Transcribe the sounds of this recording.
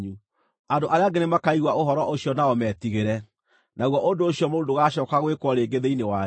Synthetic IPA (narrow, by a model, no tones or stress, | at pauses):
ɲu | andoʔaɾeaɡenemakaiɣwaoɦɔɾɔʔoɕjɔnaɔmɛːtiɣeɾɛ | naɣwɔʔondoːɕiɔmoːndoɣaɕɔːkaɣwekwɔɾeːɡeðeinewa